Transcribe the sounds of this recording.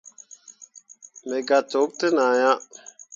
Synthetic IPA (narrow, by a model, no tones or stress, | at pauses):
meːɡaːtoːk̚t̪enaːjãː